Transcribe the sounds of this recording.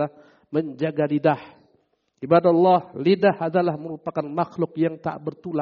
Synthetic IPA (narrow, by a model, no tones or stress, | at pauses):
a | məɲd͡ʒaɡalidah | ʔibadalːɑhlidahadalahməɾupakanmaxlʊkjaŋt̪a̰ʔbərt̪ula